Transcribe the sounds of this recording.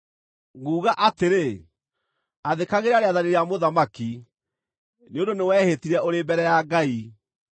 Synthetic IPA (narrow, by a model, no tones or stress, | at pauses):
ɣuːɣaʔateɾe | aðekaɣeɾaɾeaðaneɾeamoðamaki | neondonewɛːhetiɾɛoɾebɛɾɛjaɡai